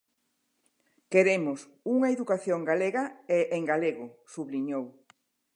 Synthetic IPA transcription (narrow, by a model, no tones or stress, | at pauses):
keɾemʊs | uŋɐeðukaθjoŋɡaleɣɐeʔeŋɡaleɣʊsuβliɲow